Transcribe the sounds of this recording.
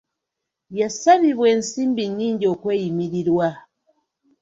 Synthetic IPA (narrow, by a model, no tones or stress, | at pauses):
jasaβiβweːnsiːmbiɲːiːɲɟiokwejimiɾiɾwa